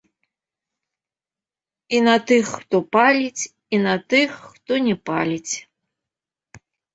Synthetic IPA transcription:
inɐt̪ɨxːt̪ɔpalʲit͡sʲ | inat̪ɨxt̪ɔnʲɛpalʲit͡sʲ

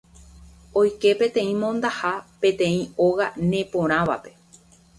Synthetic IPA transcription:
o̞jke̞pẽ̞t̪ẽ̞ĩmõ̞nd̪ahapẽ̞t̪ẽ̞ĩo̞ɣanẽ̞põ̞ɾ̃ãʋa̰pe̞

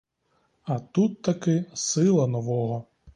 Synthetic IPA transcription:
ɐt̪ut̪ːɐkɪsɪlˠɐnɔʋɔɦɔ

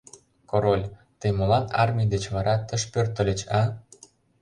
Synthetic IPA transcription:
koɾolʲt̪əjmolɑnɑ̰rmʲid̪et͡ɕβɑɾɑt̪ə̆ʃpørt̪ə̆lʲə̆t͡ɕɑ

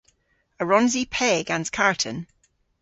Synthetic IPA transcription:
əɹɔ̃nzipʰɛːɡãnz̥kʰaɹtʰə̰̃n

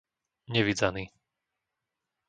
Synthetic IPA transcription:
ɲɛʋid͡zaniː

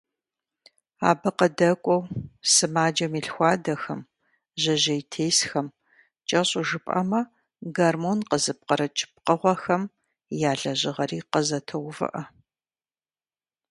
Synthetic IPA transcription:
a̰ːbɐqɐdɐkʷʼɔwsɨmaːd͡ʒɐmiːɬxʷɑːdɐxɐm | ʑɐʑɐjtʰeːsxɐm | t͡ʃʼɐɕʼʊʒɨpʼɐ̰mɐ | ɡɐrmonqəzɨp̚qɐɾɐt͡ʃʼɪ̥p̚qəʁʷɔxɐm | jaːɮɐʑɪʁɐriːqəzɐtʰɐwvɨ̰ʔɐ

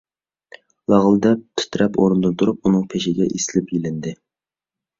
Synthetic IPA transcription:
lˠɑʁlˠɨd̪ɑt̪ʰʊ̥t̪ʰɾɛpoɾɨnd̪ɨt̪ʰuɾup̚unɨŋpʰeʃɪɡʲɛʔisɪlɪpjilɪnd̪ɪ

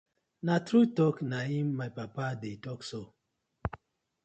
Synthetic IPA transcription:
natɾutɔknaĩmːajpapadetɔkso

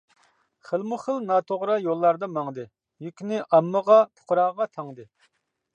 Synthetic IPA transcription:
χəlˠmuχəlˠnɑːt̪ʰoʁɾɑjolˠːɑɾd̪ɑmɑŋd̪ɨ | jykʲnɪʔɑmːəʁɑpʰo̥qɾɑːʁɑt̪ʰɑŋd̪ɨ

